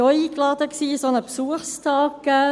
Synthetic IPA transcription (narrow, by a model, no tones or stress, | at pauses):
ɔiːklɑːd̥əksiːsonəpsuəstʰɑːkə